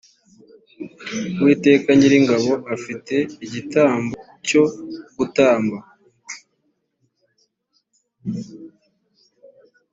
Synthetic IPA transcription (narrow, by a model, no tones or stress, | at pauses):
wiːte̞ːkaɲɟiɾiŋɡaβo̞ʔafite̞iɟitʰaːmbo | co̞ɡ̥utaːmba